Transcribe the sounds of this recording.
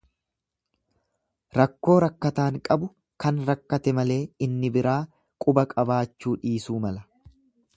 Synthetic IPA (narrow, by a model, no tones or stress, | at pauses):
ɾɐkːo̞ːɾɐkːɐt̪aːŋkʼɐbʊ | kɐnɾɐkːɐt̪ɛmɐle̞ːɪnːɪbɪɾaː | kʼʊbɐkʼɐbaːt͡ʃːuːᶑiːsuːmɐlɐ